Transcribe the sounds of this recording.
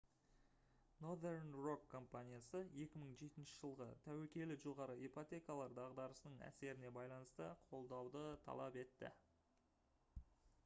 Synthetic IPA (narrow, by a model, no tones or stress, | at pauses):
no̞d̪ernro̞kʰːo̞mpanʲijasəe̞kʲɪməɴʒe̞t̪ɪnʃɪʒəlˠʁət̪ʰæwekʲe̞lɪʒolˠʁɑɾəipot̪ʲe̞kalˠɑɾd̪ɑʁd̪ɑɾəsənəɴæ̰se̞ɾɪne̞bɑjlˠɑnəst̪əqʰo̞lˠd̪ɑwd̪ət̪ʰɑ̰lˠɑ̰pe̞t̪ːɪ̰